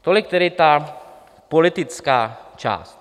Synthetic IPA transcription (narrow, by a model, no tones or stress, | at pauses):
t̪olɪk̚t̪ɛɾɪt̪a | polɪt̪ɪt͡skaːt͡ʃa̰ːst̪